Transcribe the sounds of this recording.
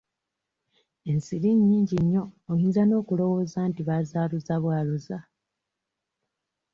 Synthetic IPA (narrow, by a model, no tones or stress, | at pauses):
e̞nsiɾiɲːiːɲɟiɲːo̞ːjiːnzano̞ːkulo̞wo̞ːzantiβazaːluzaβwaːloza